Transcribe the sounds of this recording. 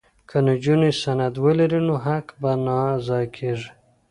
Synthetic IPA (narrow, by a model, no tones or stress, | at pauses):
kʰanad͡ʒunesanad̪wəlaɾinoɦakbanɑzɑkʰeʐi